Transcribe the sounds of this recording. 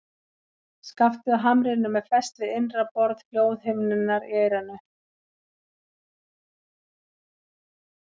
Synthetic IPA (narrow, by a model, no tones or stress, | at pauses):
skaft̪ʏðaɦamɾɪnʏmɛðfɛst̪lɪenrapɔɾð̥kljoːwðhɪmnɪnːaɾieːjɾanːʏ